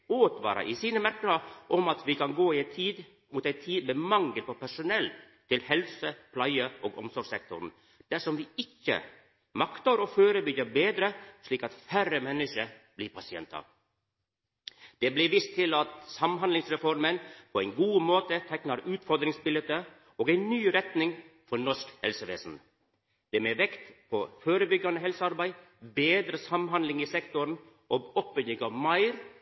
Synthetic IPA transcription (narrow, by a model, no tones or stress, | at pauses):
oːt̪ʋɑ̰ːɾɑ̰ʔisiːnəmæɾkəɾɑʔɔmɑt̪ʋiːkɑnɡoːɪɛɪt̪ʰiːd̪ | muːt̪æɪt̪ʰiːd̪memɑŋɡəlpɔpæʂʊnɛlt̪ʰɪlhɛlsəpʰlɑɪəʔoːɡɔmsɔɾɡsɛk̚t̪ʊ̰ɾn̩ | d̪̥æʂɔmʋiːɪkːə̰ | mɑkt̪əɾoːføːɾəbʏɡəbeːd̪ɾəʂɭiːkɑt̪fæɾəmɛnːəʂəb̥liːɾpʰɑsɪɛ̰nt̪ɑ̰ | d̪̥eːbliːʋɪst̪ʰːɪlɑt̪sɑmɦɑnlɪŋsɾɛfɔɾmənpʰɔɛɪnɡuːmoːt̪ət̪ʰɛknɑɾʉːt̪fɔɾd̪ɾɪŋsbɪlɛt̪ːə | oːɡæɪnnyːɾɛt̪nɪŋfɔɾɳɔʂkhɛ̰lsəʋḛːsn̩ | d̪̥eːmeːʋɛkt̪pʰɔføːɾəbʏɡːɑnəɦɛlsəɑɾbæɪ | beːd̪ɾəsɑmɦɑnd̪lɪŋiːsɛkt̪ʊɾɳ̩ | ʔoːɡɔpːʏjɪɡɑʋmɑɪɾ